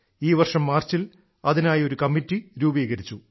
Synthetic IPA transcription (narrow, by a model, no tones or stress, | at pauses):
iːʋɐrʂɐmːaːrt͡ɕːil | ɐðinaːjo̞ɾukɐmːitːiɾuːbiːɣɐɾit͡ɕːu